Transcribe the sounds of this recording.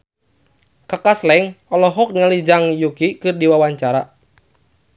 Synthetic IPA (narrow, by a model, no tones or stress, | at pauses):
kakaslɛŋɔlɔɦɔk̚ɲalid͡ʒaŋjukikɨrdiwawaɲt͡ʃaɾa